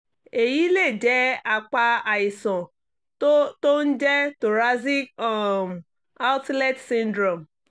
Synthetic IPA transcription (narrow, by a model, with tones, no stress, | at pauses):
e˨ji˦le˦˨d͡ʒeː˦a˦˨k͡pa˦a˨ɪ˨sɔ̃˨˦ | to˦n̩˦d͡ʒe˦tʊ˨ɾa˦zi˦kɔ˨m˨ | a˦tlɛ˦tsi˦n̩˦dɾo˨m̩˨